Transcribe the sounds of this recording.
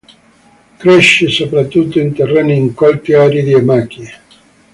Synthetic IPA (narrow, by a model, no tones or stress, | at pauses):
kɾɛʃːesopɾat̪ːut̪ːoint̪erːɛnːiiŋkwalt̪iaːɾed̪iemak̟ie